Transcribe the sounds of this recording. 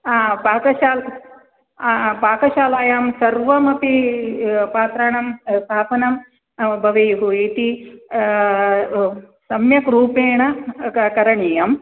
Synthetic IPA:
aːpaːkɐʃaːl | paːkɐʃaːlaːjaːmsɐɾʋɐmɐpi | paːt̪ɾaːɳɐmst̪ʰaːpɐnɐm | bʱɐʋejɦuit̪i | sɐmjɐkɾuːpeːɳɐkɐɾɐɳijɐm

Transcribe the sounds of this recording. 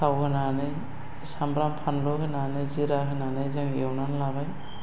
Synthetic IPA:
kʰawkʰɯnanɯj | sambɾampʰanlokɯnanɯjziɾakʰɯnanɯjzaŋewnanlabaj

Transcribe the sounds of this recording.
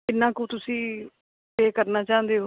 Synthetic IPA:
ɪnːãːkũːt̪ʊsĩː | peːkəɾnaːt͡ʃãːnd̪eːɦ

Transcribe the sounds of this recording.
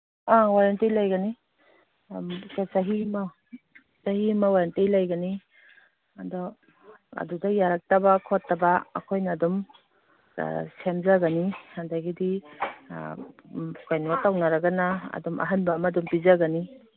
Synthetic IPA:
awaɾantijlajɡani | kasaɦima | sahimawaɾantijlajɡani | adɔ | ɐ̰dudajaɾak̚tabakʰɔtːaba̰ːkʰojnaːdum̰ | semzaɡanihandaɡidḭ | kajnatawnaɾaɡanaɐ̰dɔmɐ̰ɦanbamadumpizaɡani

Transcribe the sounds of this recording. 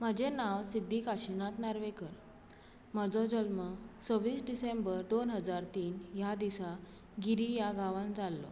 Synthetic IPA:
məd͡ʑenaʋsid̪ʱːikaɕinat̪naɾʋekəɾ | məd͡zɔd͡ʑəlmət͡səʋiːsɖisembəɾd̪onɦəd͡zaɾt̪iːnjad̪isa | ɡiɾijaɡaʋãnd͡zalːɔ̰

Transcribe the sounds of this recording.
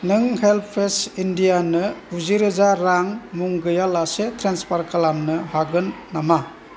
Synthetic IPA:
nɯŋhelpʰesindijanɯuziɾɯzaɾaŋmuŋɡɯjalasetʰɾenspaɾkalamnɯhaɡɯnːama

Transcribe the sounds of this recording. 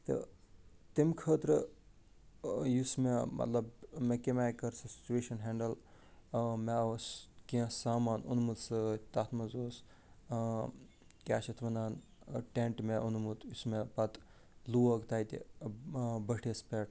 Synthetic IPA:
t̪ɨ̰ | t̪imkʰəːt̪ɾɨ | jusmemɐ̰t̪lɐbmekemaːjkɐɾsɐsi̥t͡ʃueːʃɐnɦeːɳɖɐl | meɐskĩɐ̃saːmaːnṵnmut̪sɨt̪at̪ʰmɐzoːs | kʲa̰ːʃɐt̪ʰʋɐnaːn | ʈeɳʈmeʔunmut̪jusmepɐt̪ | luːɐkt̪aːit̪ḭ | bəʈʰespeːʈ

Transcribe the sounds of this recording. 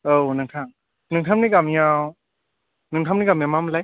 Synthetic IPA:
ownɯŋtʰaŋ | nɯŋtʰamnikamijaw | nɯŋtʰamnikamijamamlaj

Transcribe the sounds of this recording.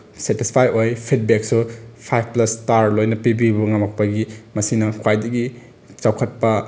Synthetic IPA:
setispʰajojpʰit̚bek̚supʰajbʰplɐstaɾlojnɐpibibuŋamɐk̚pɐɡimɐsinɐkʰwajdɐɡi | t͡ʃawkʰɐt̚pɐ

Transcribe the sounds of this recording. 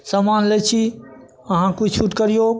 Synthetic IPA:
samaːnlet͡ʃʰi | ɐɦãkʊd͡ʒʱt͡ʃʰuʈkəɾijo

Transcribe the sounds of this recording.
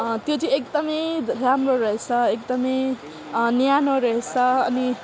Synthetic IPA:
t̪jot͡sʌ̃ĩek̚d̪ʌmʌjramroɾʌɦet͡sʰʌekd̪ʌmʌj | njanoɾʌɦet͡sʰʌʌni

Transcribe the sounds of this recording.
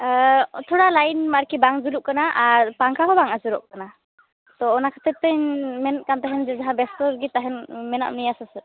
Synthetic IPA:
t̪ʰɔɽalajnmaɾkibaŋd͡ʒuɾuʔkanaʔːɾpaŋkʰaɦɔbaŋasuɾɔʔkana | t̪ɔːnakʰḁt̪ɛp̚t̪əjmɛnt̪̚kant̪aɦɛnd͡ʒɛd͡ʒaɦãbɛstɔɾɡit̪aɦɛnmɛna̰ʔ̚nijasasə

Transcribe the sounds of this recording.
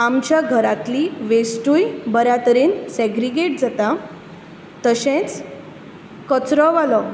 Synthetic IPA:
amt͡ɕjaɡʱəɾat̪liʋesʈujbəɾjat̪əɾensɛɡɾiɡeʈ̚d͡zat̪a | t̪əɕẽt͡s | kət͡sɾɔʋalɔ

